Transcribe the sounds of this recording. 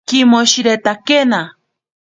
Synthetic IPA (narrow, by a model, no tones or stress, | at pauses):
kimoʃiɾet̪akena